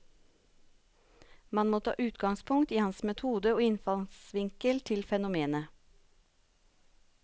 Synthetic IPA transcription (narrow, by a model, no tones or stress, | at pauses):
mɑnmoːt̪ʰɑ̰ːʔʉːt̪ɡɑŋspʰʊŋt̪iːhɑnsmɛt̪ʰuːd̪əoːɪnfɑlsʋɪŋkəlt̪ʰɪlfɛnʊmeːnə